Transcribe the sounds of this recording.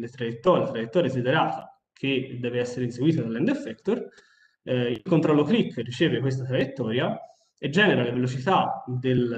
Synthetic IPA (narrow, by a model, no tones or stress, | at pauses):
let̪ɾajet̪ːɔːɾlat̪ɾajet̪ːɔːɾjesed̪eɾaːt̪a | kʰed̪ɛːveɛsːeɾeinseɡwiːt̪ad̪alːɛnd̪efːɛkt̪or | ilkont̪ɾɔlːoklikːrit͡ʃɛːvekwest̪at̪ɾajet̪ːɔːɾja | ed͡ʒːɛːneɾalevelot͡ʃit̪ad̪el